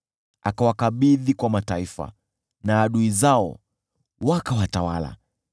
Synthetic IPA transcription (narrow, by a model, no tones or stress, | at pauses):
a̰kawakaɓiðikwamataifa̰ | naːɗuizaɔ̰ | wakawatawa̰la̰